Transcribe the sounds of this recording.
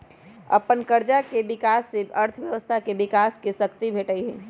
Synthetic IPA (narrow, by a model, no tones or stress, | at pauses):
ɐ̰pənkəɾd͡ʒakeʋɪkaːsːeɐɾt̪ʰəʋjɐʋəst̪ʰakeʋɪkaːskesɐkt̪ibʱeːʈəiɦɛː